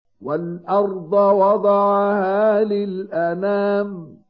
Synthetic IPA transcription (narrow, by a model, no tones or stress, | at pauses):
walʔɑɾˤd̪ˤɑwɑd̪ˤɑʕɑhaːlɪlʔanaːm